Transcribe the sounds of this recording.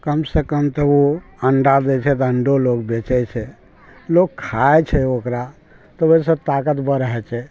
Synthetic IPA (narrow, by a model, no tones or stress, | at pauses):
kəmsəkəmt̪ɔoəɳɖad̪ɛt͡ʃʰɛt̪əɳɖolokbet͡ʃɛt͡ʃʰɛ | lokkʰːaet͡ʃʰɛokɾa | t̪ɔoisə̃t̪akət̪bəɾəɦɛt͡ʃʰɛ